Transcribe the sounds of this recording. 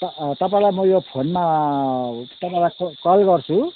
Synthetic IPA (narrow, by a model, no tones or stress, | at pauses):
t̪ʌp̬ãĩlajmʌjopʰonma | t̪ʌpaẽlajkkʌlɡʌrt͡sʰu